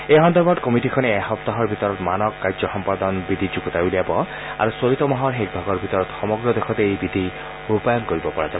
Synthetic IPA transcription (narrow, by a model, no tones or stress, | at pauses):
eɦɔnd̪ɔɹbɔdkɔmitikʰɔnɛːxɔp̚t̪aɦɔɹbʱit̪ɔɹɔt̪manɔkːajzɔxɔmpad̪ɔnbid̪ʱid͡ʒuɡɔt̪ajuliabɔ | a̰ɹusolit̪ɔmɔɦɔɹɦek̚bʱɔɡɔɹbʱit̪ɔɹɔt̪xɔmɔɡɹɔdexɔt̪eejbid̪ʱi | upajɔnkoɹibɔpɔɹaza